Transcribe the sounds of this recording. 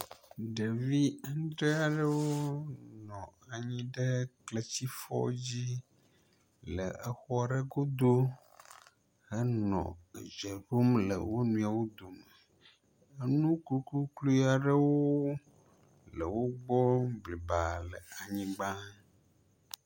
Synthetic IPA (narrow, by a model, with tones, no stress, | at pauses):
ɖe˨vi˦ŋ˦d̪ɾe˦a˨ɖə˦wwo˦nɔ̃˨a˨ɲĩ˦ɖə˦kle˨t͡ɕi˦fɔ̰˦d͡ʑi˦ | lə̰˨ə˨xɔ˦a˨ɖə˦ɡo˦d̪o˦ | hə˦nɔ̰̃˨d͡ʒe˨ɖo˦mlə̰˨wo˦nũ˦a˨wo˦d̪o˨mə˨ | ə˦nũ˦ku˦klu˦klu˦i˦a˨ɖə˦wo˦ | lə˨wo˦ɡ͡bɔ˦bli˨ba˨lə˨a˨ɲĩ˦ɡ͡bã˦